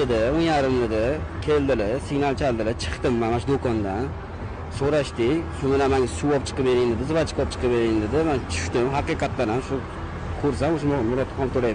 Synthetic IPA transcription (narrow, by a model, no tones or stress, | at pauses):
ɪd̪ɪonjaɾɪmlɪd̪ɪkʲʰeld̪ɪlɪsiɡnalˠt͡ʃʰald̪ɪlɪt͡ʃʰɨ̥qt̪ɪmːamaʃd̪okɒnd̪an | soɾaʃt̪ɪkʲʃʊnɪnamaŋasuɒp̚t͡ʃʰɨ̥qɨpbeɾɪŋnd̪ɪd̪ɪzɨvat͡ʃʰɪ̥kɒp̚t͡ʃʰɨ̥qʰɨpbeɾɪŋnd̪ɪd̪ɪmant͡ʃʰʊ̥ʃt̪ɪmɦaqiqʰɑt̪laɾamʃʊ | kʰoɾsamoʃɪmmɪɾɔt̪ʰːɒt̪ʰoɾaj